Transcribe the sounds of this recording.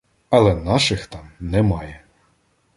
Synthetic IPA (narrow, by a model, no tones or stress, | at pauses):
ɐlˠɛnɑʃɪxt̪ɑmnɛmɑjɛ